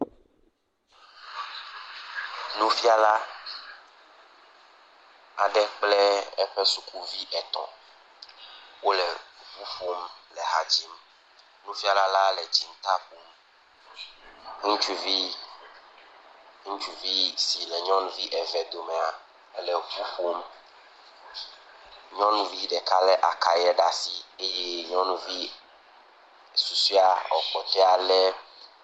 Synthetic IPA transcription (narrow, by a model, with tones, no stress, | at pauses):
nũ˦fi˦a˦la˦ | a˨ɖɛ˦k͡plɛ˦ɛ˦ɸɛ˦su˦kʰu˦vi˦ʔɛ˨t̪ɔ̰̃˨ | wo˦lɛ˨ɸu˦ɸo˦mlɛ˨ɦa˨d͡ʑi˦m | nũ˦fi˦a˦la˦la˦lɛ˨d͡ʑi˨ŋ˦t̪a˦ɸu˨m | ŋũ˦t͡ʃu˦vi˦ | ŋũ˦t͡ʃu˦vi˦si˨lɛ˨ɲɔ̃˦nũ˦vi˦ʔɛ˨vɛ˨d̪o˨mɛ̃˨a˨˦ | le˨ɸu˦ɸu˦m | ɲɔ̃˦nũ˦vi˦ɖɛ˨ka˦lɛ˦ʔa˨ka˨jɛ˦ɖa˦si˨e˦je˦ɲɔ̃˦nũ˦vi˦ | su˨si˦a˦ɔ˨k͡pɔ˨t̪ɛ˦a˨lɛ˦